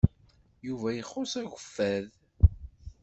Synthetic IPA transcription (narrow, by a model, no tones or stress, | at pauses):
juvæjəχːʊsæʝʷəfːæð